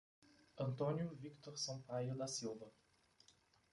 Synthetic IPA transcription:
ɐ̃nt̪õnjʊvikt̪oɾsɐ̃w̃pajʊd̪ɐsilˠvɐ

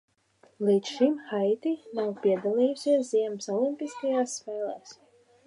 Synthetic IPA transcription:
liːt̪ʃimxajt̪inawpʲiɛd̪alˠiːjusʲiɛs̬ziɛmsɔlˠimpʲiskajaːsːfɛːlˠɛːs

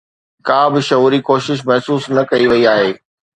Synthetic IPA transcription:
kãːbɪʃɐɦuːɾikoːʃɪʃ̬mɛɦsuːsnɐkɐiʋɐiaːɦeː

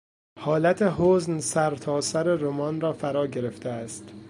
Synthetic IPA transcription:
hɒːlæt̪ʰeɦoːznsæɾt̪ʰɒːsæɾeɾomɒːnɾɒːfæɾɒːɟe̞ɾe̞ft̪ʰeæst̪

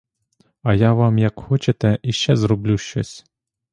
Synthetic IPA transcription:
ɐjaʋɑmjɐkxɔt͡ʃet̪ɛiʃt͡ʃɛzɾɔblʲuʃt͡ʃɔ̰sʲ

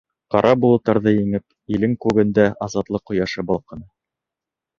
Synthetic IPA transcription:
qɑɾʔɑbulˠɤ̆t̪ːɑɾðɤjɘ̆ŋɘp̚ | ilɘŋkʉɡɘ̆nd̪æɑzɑt̪lˠɤqːŏjɑʃɤbɑlˠqɤ̆nɤ

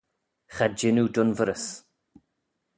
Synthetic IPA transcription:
χad͡ʒɪnudʊnvəɾəs

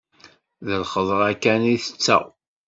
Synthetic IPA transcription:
ðəlχəðˤʁˤækːæniθət͡sːæ̰

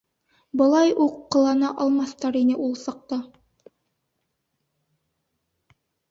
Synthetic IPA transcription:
bɤ̆lˠɑjuqːɤ̆lˠɑnɑʔɑlˠmɑθt̪ɑɾinɘʔulˠsɑq̚t̪ɑ

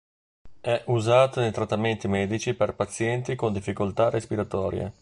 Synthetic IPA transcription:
ɛʔuzaːt̪onejt̪ɾat̪ːament̪imɛːd̪it͡ʃiperpat̪sːjɛnt̪ikond̪ifːikolt̪arʔespiɾat̪ɔːɾjḛ

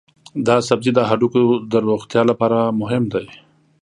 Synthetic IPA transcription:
d̪ɑsabzid̪əɦaɖukod̪əɾoxt̪jɑlapɑːɾamʊɦɪmd̪aj

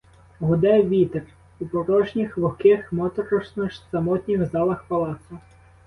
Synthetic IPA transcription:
ɦʊd̪ɛʋʲit̪er | upɔɾɔʒnʲixlˠʊxkɪxmɔt̪ɔɾɔʃnɔʃsɐmɔt̪ʲnʲiwzɑlˠɐxpɐlˠɑt̪sʊ

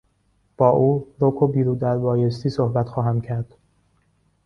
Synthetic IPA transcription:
b̥ɒːʔuːɾokʰobiːɾuːd̪æɾbɒːjest̪iːsohbæt̪xɒːɦæmcʰæɾd̪̥

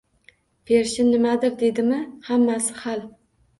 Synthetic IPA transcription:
pʰeɾʃɪnnɪmad̪ɪɾd̪ed̪ɪmɪhamːasɪ̥hal

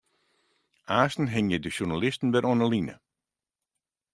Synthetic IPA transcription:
aːstn̩ɦɪŋjədəʃurnalɪstən̩bɛɾonəlinə̰

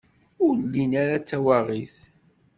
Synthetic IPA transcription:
ʊɾlːinaɾat͡sːæwaʁiθ

